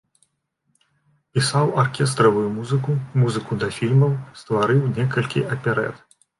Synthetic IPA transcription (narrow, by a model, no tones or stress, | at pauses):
pʲisawarkʲɛs̬t̪ɾɐvujumuzɨkumuzɨkud̪ɐfʲilʲmɐwst̪vaɾɨwnʲɛkɐlʲkʲḭʔɐpʲɛɾɛ̰t̪